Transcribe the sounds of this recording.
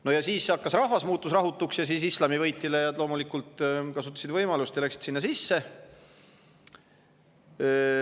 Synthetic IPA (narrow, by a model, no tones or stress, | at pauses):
no̞jɑsiːsːeɑkːɑsrɑhvɑsmuːt̪ːˑusrɑɦut̪ːˑuksjɑsiːsislɑmivɤjt̪ːˑilejɑlo̞ːmulikːult̪kɑsut̪ːˑɑ̥sid̪vɤjmɑlust̪jɑlæksi̥t̪sinːɑsisːe̞